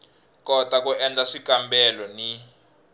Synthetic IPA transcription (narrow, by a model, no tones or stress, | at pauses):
kʼɔtʼak̬ʼuɛnd͡ɮaʂikʼambɛlɔni